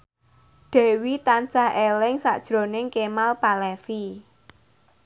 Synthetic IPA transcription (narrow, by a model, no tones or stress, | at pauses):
ɖ̪̥ɛ̤wit̪ant͡ʃaɦʔelɪŋsa̰ʔd̥ʒ̥ɾo̤nɪŋkemalpalɛfi